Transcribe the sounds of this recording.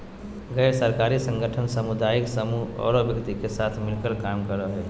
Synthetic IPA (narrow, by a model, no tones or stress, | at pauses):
ɡɛɪɾsəɾkaɾisə̃ŋɡʱəʈʰənsəmud̪aiksəmuɦɔ̰ɾobjəɡt̪ikesat̪ʰmilkəlkamkəɾəɦɛ